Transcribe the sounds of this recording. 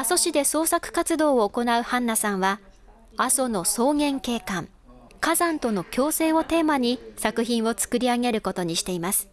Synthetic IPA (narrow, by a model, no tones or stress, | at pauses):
aso̞ɕid̪e̞so̞ːsakɯ̟̥kat͡sɨd̪o̞ːoːko̞naɯ̟hãnːasãɰ̃βa | aso̞no̞so̞ːɡẽ̞ŋke̞ːkãŋ | kazãnt̪o̞no̞kʲo̞ːse̞ːo̞t̪e̞ːmaɲ̟isakɯ̟çĩɰ̃o̞t͡sɨ̥kɯ̟ɾʲiaɡe̞ɾɯ̟ko̞t̪o̞ɲ̟iɕi̥t̪e̞imasɨ̥